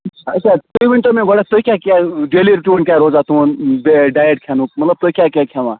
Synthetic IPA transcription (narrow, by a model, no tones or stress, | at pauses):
t͡ʃʰat̪oiʋɪɳʈomẽɡʱoɽat̪oikʲakaɖeːliɾʈuəɳkʲaːɾoːzat̪ũnbeɖaːjəʈ̚kʰjaːnũːk̚mɐt̪ləb̚t̪oikʲaːkʲakʰjaʋãː